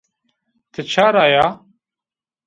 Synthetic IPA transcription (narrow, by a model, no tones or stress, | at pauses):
t̪ʰɨt͡ʃʰaːɾaːjaː